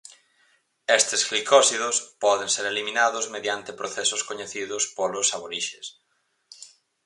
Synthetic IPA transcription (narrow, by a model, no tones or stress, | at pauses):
est̪esxlikɔsiðʊspɔðeŋseɾelimĩnaðʊzmeðjant̪epɾoθesʊskoɲeθiðʊspolʊsaβoɾiʃes